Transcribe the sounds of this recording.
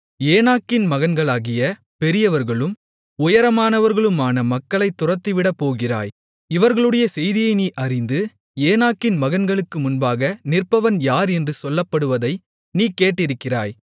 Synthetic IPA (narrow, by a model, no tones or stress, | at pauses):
eːnaːkːɪnmɐɣɐnɡɐɭaːɣɪjɐ | pɛɾɪjɐʋɐɾɣɐɭɯm | ʊjɐɾɐmaːnɐʋɐɾɣɐɭɯmaːnɐmɐkːɐɭɐɪt̪ːʊrɐt̪ːiʋɪɽɐpːoːɣɪra̰ːj | ɪʋɐɾɣɐɭɯɽɐjɐsɛjðɪjɐɪniːʔɐrɪnd̪ɯ | eːnaːkːɪnmɐɣɐnɡɐɭɯkːɯmʊnbaːɣɐnɪrpɐʋɐnjaːɾɛndrɯsɔlːɐpːɐɽɯʋɐðɐɪ | niːkeːʈːɪɾɯkːɪra̰ːj